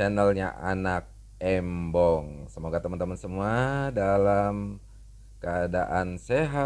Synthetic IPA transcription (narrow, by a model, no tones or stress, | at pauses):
anəlɲaʔanak̚ | ɛmbɔŋsəmoɡat̪əmənt̪əmənsəmuadalam | kəada̰ʔanseɦa